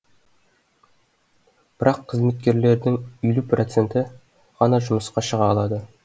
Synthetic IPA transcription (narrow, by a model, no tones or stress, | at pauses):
b̥ɪɾɑqʰːəzme̞t̪̚kʲe̞ɾle̞ɾd̪ɪŋʏjluprʔot̪se̞nt̪ɪ | ʁ̥ɑnɑʒʊməsqɑʃəʁɑːlˠɑd̪ə